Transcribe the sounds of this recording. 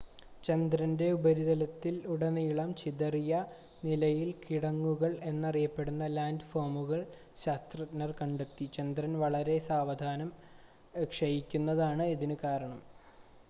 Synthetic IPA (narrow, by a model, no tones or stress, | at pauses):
t͡ɕɐnd̪ɾɐnde̞ubɐɾiðɐlɐt̪ːiluɽɐniːɭɐmt͡ɕiðɐrijɐ | nilɐjilkiɽɐŋːuɣɐɭe̞nːɐrijɐpːe̞ɽunːɐlaːndɨfoːrmuɣɐɭ | ɕaːst̪rɐtnɐrkɐɳɖet̪ːit͡ɕɐnd̪ɾɐnʋɐɭɐɾe̞saːʋɐd̪ʱaːnɐm | ekʂɐjikʲːunːɐðaːɳɨiðinɨkaːɾɐɳɐm